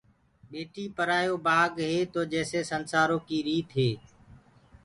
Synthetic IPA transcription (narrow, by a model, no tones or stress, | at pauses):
ɓeːʈʰiːpəɾaːjoːbaːɡɦeːt̪oːd͡ʒɛːseːsənsaːɾõːkiːɾiːt̪ɦeː